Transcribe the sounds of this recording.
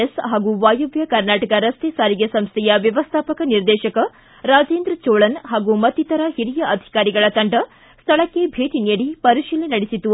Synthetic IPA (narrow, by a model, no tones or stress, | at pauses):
esɦaːɡuʋaːjuʋjɐkɐɾnaːʈɐkɐɾɐst̪esaːɾiɡesɐmst̪ʰɛjɐʋjɐʋɐst̪ʰaːpɐkɐniɾd̪ɛːʃɐkɐ | ɾaːd͡ʒeːnd̪ɾɐt͡ʃoːɭɐnɦaːɡumɐt̪ːit̪ɐɾɐhiɾijɐʔɐd̪ʱi̥kaːɾiɡɐɭɐt̪ɐɳɖɐ | st̪ʰɐɭɐkːebʱeːʈineːɽipɐɾiʃiːlinɐɽisit̪ːu